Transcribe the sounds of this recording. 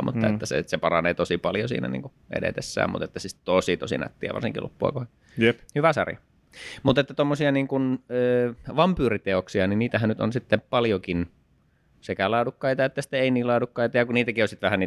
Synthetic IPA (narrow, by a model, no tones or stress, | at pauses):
mṵt̪ːɑḛt̪ːæsḛsepɑrɑneːt̪osipɑljosḭːnæ̰nḭːŋku | ʔḛdḛt̪esːæ̰ːmṵt̪et̪ːæsit̪t̪osit̪o̰sḭnæ̰t̪ːiæ̰ʋɑ̰rsiŋkḭlṵpːuɑ̰kohe | jhyʋæsɑ̰rjɑ | mut̪et̪ːæt̪omːosiɑniːŋkunøːʋɑmpyːrit̪eoksiɑniniːt̪æhænnyt̪o̰nsit̪ːepɑljokin | sekælɑːdukːɑit̪ɑet̪ːæsi̥t̪eeiniːlɑːdukːɑit̪ɑjɑkuniːt̪ækiosit̪ʋæhæniː